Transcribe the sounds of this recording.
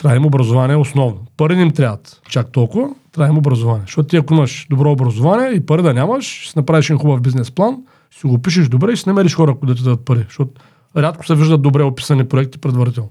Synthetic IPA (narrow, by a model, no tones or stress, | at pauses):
t̪ɾaimobɾɐzʊvaniɛosnɔvnopɐɾiimt̪ɾʲavɐt̪ | t͡ʃakt̪ɔlˠkʊvɐt̪ɾaimobɾɐzʊvanʲiɛʃt̪ɔt̪ʊt̪iɐkʊimɐʃd̪obɾɔobɾɐzovanʲiɛipɐɾid̪ɐnʲamɐʃsinɐpɾaviʃɛinxubɐfbiznɛsplˠan | siɡopiʃ̬ɛʒd̪obɾɛisinɐmɛɾiʃxɔɾɐkod̪ɐt̪̬id̪ad̪ət̪̚pɐɾiʃt̪ɔt̪ | ɾʲat̪kʊ̥sɛviʒd̪ɐt̪obɾɛopi̥sɐnipɾoɛkt̪i̥pɾɛd̪vɐɾit̪ɛlˠno